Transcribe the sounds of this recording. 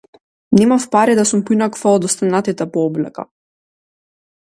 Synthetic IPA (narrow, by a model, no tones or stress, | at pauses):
nɛmafpaɾid̪asumpinakvad̪ɔst̪anat̪it̪ɛpɔɔblɛ̰ka̰